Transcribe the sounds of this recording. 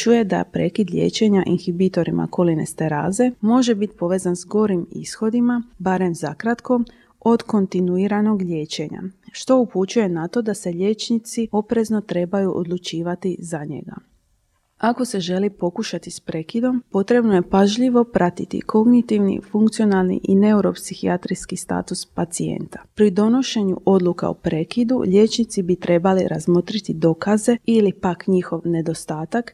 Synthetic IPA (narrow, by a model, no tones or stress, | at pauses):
t͡ʃuje̞d̪a̰pɾe̞ːkid̪ʎʲe̞̰ːt͡ɕe̞ɲaʔinxibit̪o̞ɾima̰ko̞line̞̰st̪eɾa̰ːze̞mo̞ʒe̞bit̪i̥po̞ʋe̞zanzɡo̞ɾimḭsxo̞d̪imabaɾe̞mzakɾat̪ko̞ | o̞d̪ko̞nt̪inuiɾano̞ɡʎʲeːt͡ɕe̞ɲa̰ʃt̪o̞uput͡ʃuje̞nat̪o̞d̪ase̞ʎe̞ːt͡ʃnit̪sio̞pɾe̞zno̞t̪ɾe̞bajuʔo̰d̪lˠut͡ʃiːʋat̪izaɲe̞̰ɡa̰ | ako̞se̞ʒe̞lipo̞kuʃat̪ispɾe̞kid̪o̞mpo̞t̪ɾe̞bnojepaʒʎiʋo̞pɾʔat̪it̪ḭkʰo̞ɡnit̪iʋnḭfuŋkt̪sijo̞nalˠnḭʔine̞uɾo̞psixiat̪ɾiskist̪a̰ːt̪uspat̪siḛnt̪ḁpɾid̪o̞no̞ʃe̞ɲuo̞d̪lˠuka̰ṵpɾe̞kid̪ṵʎe̞t͡ʃnit̪sibit̪ɾe̞baliɾa̰zmo̞t̪ɾit̪id̪o̞kaze̞ilipakɲixo̞ʋne̞d̪o̞st̪aːt̪ak